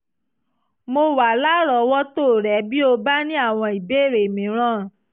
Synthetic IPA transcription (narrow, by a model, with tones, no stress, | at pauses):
mo˧wa˨la˦ɾɔ˧˦wɔ˦to˦˨ɾɛ˨˦bi˦o˧ba˦nĩ˦a˦˨w̃ɔ̃˧i˨be˦˨ɾe˨mĩ˨˦ɾ̃ã˦˨